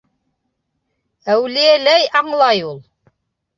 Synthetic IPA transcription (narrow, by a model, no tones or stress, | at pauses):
æwlijælæjɑɴlˠɑjulˠ